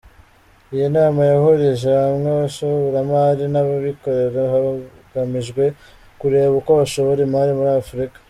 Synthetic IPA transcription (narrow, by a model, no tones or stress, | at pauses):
ijenaːmajaho̞ɾeʒeamŋeβaʃoβoɾamaɾinaβaβikoɾeɾaha | ɡ̥amiʒɡwe̞ | kuɾe̞ːβukoβaʃo̞βoɾemaɾimuɾiafuɾikḁ